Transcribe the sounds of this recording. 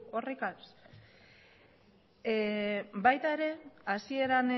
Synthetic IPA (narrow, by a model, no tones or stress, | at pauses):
orekas | bajt̪aeɾe̞asie̞ɾan